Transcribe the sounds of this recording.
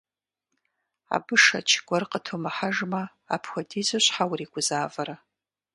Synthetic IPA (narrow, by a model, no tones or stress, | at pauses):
a̰bɨʂɐ̰t͡ʃʰɡʷɔrqʼətʰomaħaʒmɐ | a̰pʰxʷadizɨɕʷħawriːɡʷʼʊzaːvɐɾa